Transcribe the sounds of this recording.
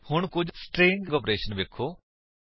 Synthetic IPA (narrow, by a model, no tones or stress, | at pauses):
hʊɳkʊd͡ʒsʈɾẽːŋɡɡɔːpɾeːʃənʋeːkʰoː